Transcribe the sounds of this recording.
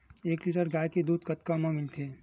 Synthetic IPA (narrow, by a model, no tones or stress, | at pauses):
eːkliːʈəɾɡaːjked̪uːd̪kɐt̪kamãmɪnt̪ʰeː